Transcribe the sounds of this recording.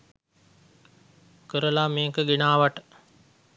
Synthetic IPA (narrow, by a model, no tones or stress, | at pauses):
kəɾəlameːkəɡenaːʋaʈə̥